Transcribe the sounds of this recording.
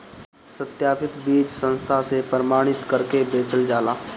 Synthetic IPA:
sət̪jaːpʰɪt̪biːd͡ʒsə̃nst̪ʰasepɾəɾəmaːɽ̃ɪt̪kəɾkebeːt͡ʃəld͡ʒaːlaː

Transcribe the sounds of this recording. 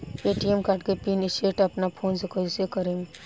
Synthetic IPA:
eːʈijemkaʈ̚kepiniseːʈɐpnapʰoːnsekəsekəɾeːŋ

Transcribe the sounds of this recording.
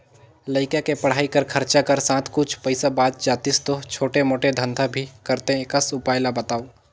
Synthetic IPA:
ləɪkakepɐɽ̤aːikɐɾkʰɐɾt͡ʃakɐɾsãːt̪ʰkʊt͡ʃʰpɐɪsabaːd̪d͡ʒaːt̪ist̪ot͡ʃʰoːʈemoːʈed̪ʱə̃nd̪ʱabʱikɐɾt̪ẽkəsʊpaːjlabət̪aːo

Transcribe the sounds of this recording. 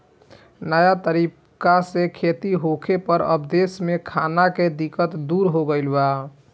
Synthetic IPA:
nəjat̪əɾip | kasẽkʰet̪iɦokʰepəɾə̰bd̪esmekʰanaked̪ikət̪d̪uɾɦoɡəɪlba

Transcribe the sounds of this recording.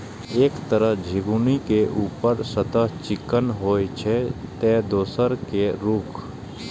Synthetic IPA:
eːkt̪əɾəɦd͡ʒʱɪɡunikeʔuːpəɾsət̪əɦt͡ʃɪkənɦoːjt͡ʃʰet̪eːd̪oːsəɾkeɾuːkʰ

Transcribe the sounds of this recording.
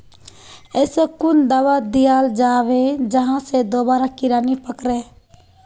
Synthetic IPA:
esekʊnd̪aʋad̪ijaːld͡ʒaːʋed͡ʒəɦãsed̪oːbaːɾakɪɾaːnipəkɾe

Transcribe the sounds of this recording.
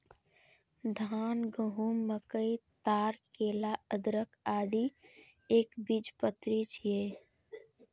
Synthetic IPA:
d̪ʱaːnɡəɦuːmːəkəit̪aːɾkeːlaəd̪ɾəkaːd̪i | eːkbid͡ʒpət̪ɾit͡ʃʰijeː

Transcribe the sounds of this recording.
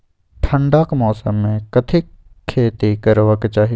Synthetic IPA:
ʈʰə̃ɳɖaːkmɔːsə̰mːẽkɐt̪ʰɪkʰː | eːt̪ikɐɾʋəkt͡ʃaːɦi

